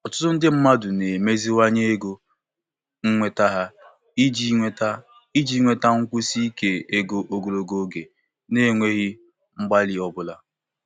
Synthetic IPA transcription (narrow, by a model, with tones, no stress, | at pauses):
ɔ˨tʊ̥˦tʊ˦n̩˦dɪ˦m̩˦ma˦dʊ˨ne˨me˦zi˦wa˦ɲe˦e˦ɡo˦ | ŋ̩˦ŋʷe˦ta˦ɦa˦ | i˦d͡ʒi˦ŋʷe˦ta˦ | i˦d͡ʒi˦ŋʷe˦ta˦ŋ̩˦kʷu˦si˦i˦ke˨e˦ɡo˦ʔo˦ɡo˨ɾo˦˨ɡo˦ɡe˨ | ne˦˨ŋʷe˦ɣi˦ | ŋ͡m̩˦ɡ͡ba˦lɪ˨ɔ˦bʊ˦la˦